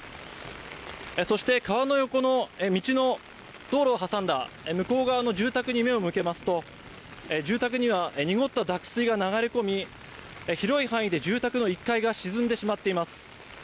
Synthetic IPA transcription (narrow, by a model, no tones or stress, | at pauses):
eso̞ɕi̥t̪e̞kaβano̞jo̞ko̞no̞emʲit͡ɕino̞ | d̪̥o̞ːɾo̞ːɦasãnd̪a | emɯ̟ko̞ːɡaβano̞d͡ʑɨːt̪akɯ̟ɲ̟ime̞o̞mɯ̟ke̞masɨ̥t̪o̞ | ed͡ʑɨːt̪akɯ̟ɲ̟iβ̞aeɲ̟iɡo̞t̪ːad̪akɯ̟̥sɨiɡanaɡaɾeko̞mʲi | eçiɾo̞ihãɰ̃id̪e̞d͡ʑɨːt̪akɯ̟no̞ikːaiɡaɕizɨ̃nd̪e̞ɕimat̪ːe̞imasɨ̥